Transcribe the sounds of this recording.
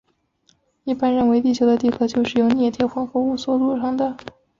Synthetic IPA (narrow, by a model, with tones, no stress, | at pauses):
i˥˩pa˥nɻə˥˩nwe˧˥ɪt̪i˥˩t͡ɕʰjo˧˥ʊd̪ə˧t̪i˥˩kʰɤ˧˥t͡ɕjo˥˧ʊʂɻ̩˥˩jo˧˥ʊnjɛ˥˩t̪ʰjɛ˥˩xwə˥nxɤ˧˥u˥˩swɔ˥lu˥˩ʂɑ˥˩ŋd̪ə˩